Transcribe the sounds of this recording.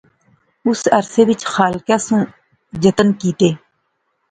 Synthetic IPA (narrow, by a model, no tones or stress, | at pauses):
ʊsəɾseːʋɪt͡ʃxaːlkaːsũː | d͡ʒət̪ənkiːt̪eː